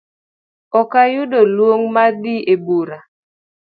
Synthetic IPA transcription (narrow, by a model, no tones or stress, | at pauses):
ɔkajʊdolwoŋmadiebuɾa